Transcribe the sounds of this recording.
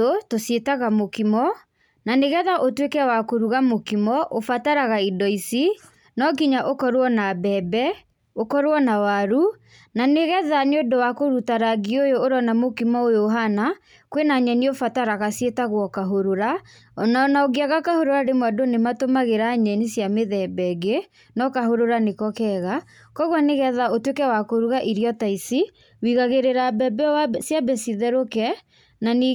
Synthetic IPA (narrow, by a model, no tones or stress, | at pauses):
otosjetaɣamokimɔ | naneɣɛðaʔotwekɛwakoɾuɣamokimɔʔofataɾaɣaidɔisi | nɔkiɲaʔokɔɾwɔnabɛbɛ | okɔɾwɔnawaɾu | naneɣɛðaneodowakoɾutaɾaɡiojoːɾɔnamokimɔojoɦana | kwenaɲɛniofataɾaɣasjetaɣwɔkaɦoɾoɾa | ɔnanaoɡiaɣakahoɾoɾaɾemwadonematomaɣeɾaɲɛnisjameðɛbɛɡe | nɔkaɦoɾoɾanekɔkɛɣa | kɔɣwɔneɣɛðaotwekɛwakoɾuɣaʔiɾiɔtaisi | wiɣaɣeɾeɾabɛbɛsjabɛsiðɛɾokɛ | nani